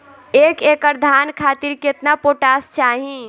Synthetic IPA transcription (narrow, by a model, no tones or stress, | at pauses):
ekekəɾd̪ʱankʰat̪iɾket̪napoʈast͡ʃʰaɦĩ